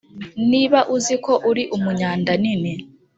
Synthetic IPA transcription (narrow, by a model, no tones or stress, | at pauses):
niːβaʔuziko̞ʔuɾiʔumuɲaːndanine